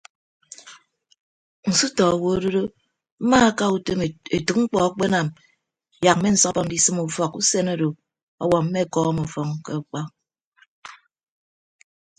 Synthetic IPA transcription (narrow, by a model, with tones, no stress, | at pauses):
n̩˨su˦tɔ˨wo˨o˦do˦ɾo˦ | m̩˦ma˦a˦ka˦u˨te˦m˨e˨tɨ˨k̚ŋ͡m̩˦k͡pɔ˨˦k͡pe˦na˨m˨ | ja˨m̩˦me˦n̩˦sɔ˦kbɔ˦n̩˨˦di˦sɨ˦mu˨fɔ˨ku˦se˦no˦do˨ | ɔ̰˦wɔ˨m̩˦me˦˨kɔ˦mo˨fɔ˨ŋke˦u˨k͡pɔ˦